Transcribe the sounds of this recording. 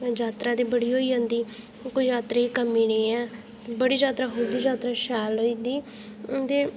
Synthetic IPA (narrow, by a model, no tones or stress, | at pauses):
d͡ʒaːt̪ɾãːd̪iːbəɽiːɦoːiːɦə̃ːnd̪iː | koid͡ʒaːt̪ɾeːikəmːiːneːɛː | t̪ebəɽiːd͡ʒaːt̪ɾaːɦoːd̪iːd͡ʒaːt̪ɾaːʃɛːloːiːd̪iː | t̪eː